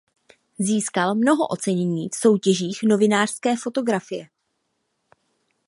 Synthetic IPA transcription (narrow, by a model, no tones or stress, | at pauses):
ziːskalmno̞ɦo̰ʔo̞t͡sɛɲɛɲiːfso̞wcɛʒiːxno̞vɪnaːr̝̥skɛːfo̞t̪o̞ɡɾafɪjɛ